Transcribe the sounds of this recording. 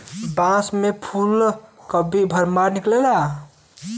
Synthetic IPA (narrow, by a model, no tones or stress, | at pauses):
bãsmepʰulkəbʱibʱəɾmaɾniklela